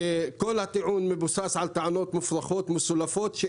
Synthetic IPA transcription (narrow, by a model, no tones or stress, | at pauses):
kʊlːhat̪aʕuːnmɪbʊsaːsʕalt̪aʕanoːt̪mʊfɾˤaxoːt̪mʊsʊlːafoːt̪ʃɪ